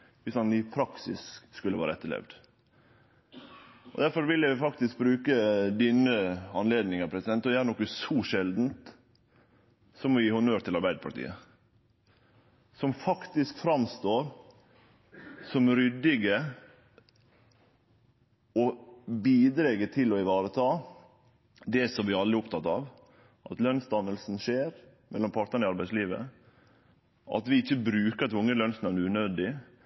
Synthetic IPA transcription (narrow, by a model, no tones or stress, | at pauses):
ʋɪsɑnɪpʰɾɑksɪ̰sskʉlːəʋæ̰ːɾəɛt̪ːəɭɛ̰ʋd̪ | ʔɔ̰d̪æɾfɔɾʋɪljæɪfɑk̚t̪ɪsk̚bɾʉːkəd̪iːnəɑnleːd̪nɪŋəpʰɾɛsɪd̪ɛnt̪ɔjææɾnɔkːəsɔʃɛld̪n̩t̪ | sɔmɔjiːhʊnøːɾt̪ɪlɑɾbæɪd̪əpʰɑ̰ʈḭːə | sɔmfɑkt̪ɪskfɾɑmst̪oːɾ | sɔmɾʏd̪ɪɡə | ɔbiːd̪ɾɛɡət̪ʰɪlɔɪʋɑːɾət̪ʰɑː | d̪ɛsɔmʋɪɑlɾɪʊpt̪ʰɑt̪ːɑːʋ | ʔɑt̪lœnsd̪ɑnːəlsnʃeːɾ | mɛlːɔmpʰɑːɾʈ̪nəɾɳəɪɑɾbæɪsliːʋə̰ | ʔɑ̰t̪ʋɪɪçːəbɾʉːkəɾɑt̪ʊŋːəlœnsnɑnʉːnɛnd̪ɪ